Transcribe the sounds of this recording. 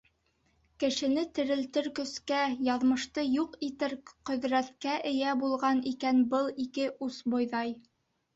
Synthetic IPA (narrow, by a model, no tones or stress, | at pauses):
kɘ̆ʃɘ̆nɘt̪ɘ̆ɾɘ̆lt̪ɘɾkɵ̆skæjɑðmɤ̆ʃt̪ɤjuqit̪ɘɾqɵ̆ðɾæt̪kæʔɘ̆jæbulˠʁɑnikænbɤlˠikɘʔusbŏjðɑj